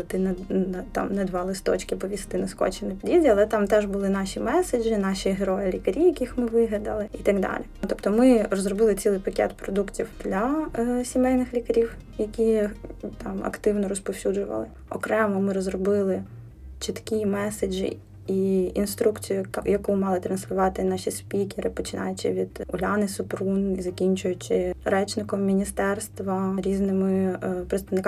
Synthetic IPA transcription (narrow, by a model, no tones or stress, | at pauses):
t̪ɪnɛnt̪ɑ̰mnɛd̪ʋɑlˠɪst̪ɔ̰t͡ʃkɪpɔʋʲist̪ɪnɐskɔ̰t͡ʃɪnɪpʲidʲidʲiɐlˠɛt̪ɑmt̪ɛʒbʊlˠɪnɑʃʲimɛsed͡ʒɪnɑʃʲiɦeɾɔjɪlʲikɐɾʲijɐkʲixmɪʋɪɦlʲɐd̪ɐlˠɪit̪ɐɡd̪ɑ̰lʲit̪ɔpt̪ɔmɪɾɔzrɔbɪlˠɪt͡sʲilˠɪjpɐkʲɛ̰t̪pɾɔd̪uktʲiwd̪̥lʲɐsʲimɛlʲnɪxlʲikɐɾʲiw | jɐkʲit̪ɑmɐ̰kt̪ɪwnɔɾɔspɔwsʲud͡ʒʊʋɐ̰lˠɪ | ɔ̰kɾɛmɔmɪɾɔzrɔbɪlˠɪ | t͡ʃit̪kʲimɛsed͡ʒɪ̰ | iinst̪ɾukt͡sʲijʊjɐkumɑlˠɪt̪ɾɐnslʲʊʋɑt̪ɪnɑʃʲispʲikʲeɾɪpɔt͡ʃɪnɑ̰jʊt͡ʃɪ̰ʋʲid̪̥ʊlʲɑnɪsʊpɾunizɐkʲinʲt͡ʃʊjʊt͡ʃɪɾɛt͡ʃnɪkɔmːʲinʲist̪ɛrst̪ʋɐɾʲiznɪmɪpɾɪt̪st̪ɐʋnɪk